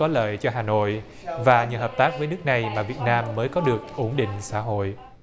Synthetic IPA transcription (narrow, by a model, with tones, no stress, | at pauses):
ɔ˨˦lə̰ː˧˨jt͡ɕɔ˧ɦaː˨˩no̰˧˨j | vaː˨˩ɲɨ̰˨˩ɦəː˨˩p̚t̪aː˦˥k̚vəː˨˦jnɨ˦˥ək̚na˨˩jmaː˨˩vi˨˩ət̚naː˧mːəː˨˦jkɔ˨˦ɗɨ˨˩ək̚ʔu˨˧˩ŋ͡mɗḭ̈˧˨ŋ̟sa̰ː˧˥˨ɦo̰˧˨j